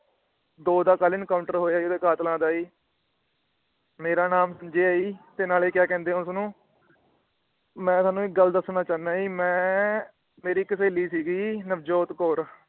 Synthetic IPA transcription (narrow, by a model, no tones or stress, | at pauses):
d̪oːd̪aːkaːlɪnkaːʊ̃ɳʈəɾɦoːaːiːod̪eːkaːt̪lãːd̪aːiː | meːɾaːnaːmsəmd͡ʒeːaːiːt̪eːnaːleːkjaːkɛ̃ːnd̪eːʊnsnũː | mɛ̃ːsaːnũːɪɡəld̪əsnaːt͡ʃaːnaːiːmɛ̃ː | meːɾiːkəseːliːsiːɡiːnəbd͡ʒoːt̪koːɾ